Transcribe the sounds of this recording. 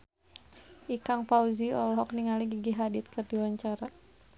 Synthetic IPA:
ʔikaŋpauziɔlɔɦɔk̚niŋaliɡiɡiɦadɪt̪̚kɨrdiwaɲt͡ʃaɾa

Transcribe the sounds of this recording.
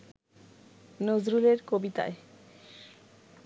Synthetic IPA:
nozɾuleɾkobit̪a̰e

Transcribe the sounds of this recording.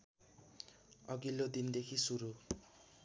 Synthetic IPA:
ʌɡilod̪ind̪ekʰisuɾu

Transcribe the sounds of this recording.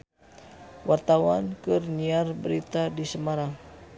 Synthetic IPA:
wart̪awankɨrniarbəɾit̪adisəmaɾaŋ

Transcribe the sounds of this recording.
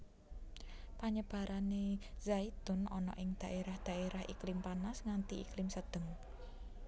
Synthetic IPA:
paɲəb̥a̤ɾʔanezait̪ʊnɔnɔ̰ʔɪŋd̪̥a̤ʔeɾahd̪̥ä̤eɾahḭklɪmpanasŋant̪iiklɪmsəd̪̥əŋ

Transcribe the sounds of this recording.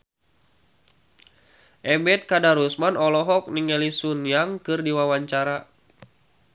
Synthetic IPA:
ʔɛmbɛt̪̚kadaɾusmanɔlɔɦɔk̚niŋɛlisunjaŋkɨrdiwawaɲt͡ʃaɾa

